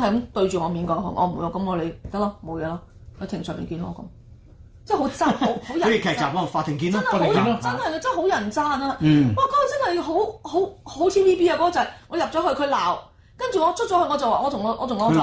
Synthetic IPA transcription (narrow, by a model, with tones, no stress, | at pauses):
hɐ˨jkɐ˨˥mt̪ɵ˧ɥt͡ʃyː˨ŋɔː˨˧miː˨˥nkɔː˧ɦɔ̰˨˩ŋʔɔ̰˧m̩˨wu˧jɐ˨˧kɐ˨˥mɔ˨˧le˨˧jt̪ɐ˥k̚lɔː˥mo˨˧wjɛː˨˧lɔː˥ | ht̪ʰɪ˨˩ŋsœː˨˩mḭː˨nkiː˧nɔː˥˧kɐ̰˨˦m | t͡sɛ˥˩ɦo˨˥t͡saː˥o˧˥who˨˥jɐ˨˦˥ji˨˩kʰɛː˨˧k̚t͡saː˨p̚ɔ˥˨faː˧t̪ʰːɪ˨˩ŋkiː˧na˥nha˧t̪wjt͡sɐ˥nhɐ˨ja˧t͡sɐ˥˨˩ho˨˥wjɐ˨˩nt͡saː˥naː˧˨waː˨˩kɔ˨˧˥t͡sɐ˥nhɐ˨jɦo˨˥who˨˥who˨˥wt̪ʰiː˥wiː˥piː˥aː˧kɔ˨˥kɔː˧t͡sɐ˨˩jŋɔː˨˧jɐ˨p̚t͡ʃɔː˨˥ɦɵ˧ɥkʰɵ˧ɥlaː˨w | kɐ˥nt͡ʃyː˨ŋɔː˨˧t͡ʃʰɵ˥t͡ʃɔː˨˧˥hɐ˧ŋɔː˨˧t͡sɐ˨waː˨ŋɔ˨˧t̪ʰʊ˨˩ŋ˨˧ʔɔː˨˧ʊ˨ŋɔ˧˥ɔ˨